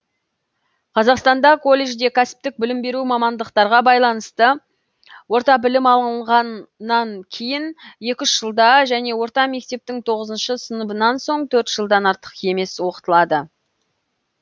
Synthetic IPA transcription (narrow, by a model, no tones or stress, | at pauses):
qʰɑzɑqst̪ɑnd̪ɑkʰo̞lʲːeʒd̪e̞kʲʰæsɪ̥p̚t̪ɪk̚bɪlɪmbe̞ɾumɑmɑnd̪əqt̪ɑɾʁɑbɑjlˠɑnəst̪ə | wo̞ɾt̪ɑbɪlɪmɑlˠəɴʁɑnːɑŋkʲʰejɪnje̞kʲʏʃʒ̥əlˠd̪ɑʒæne̞wo̞ɾt̪ɑme̞k̚t̪e̞p̚t̪ɪŋt̪ʰo̞ʁəzənʃəsənəbənɑnso̞ɴt̪ʰɵɾt̪ʒ̥əlˠd̪ɑnɑɾt̪ə̥qe̞me̞swo̞qə̥t̪əlˠɑd̪ə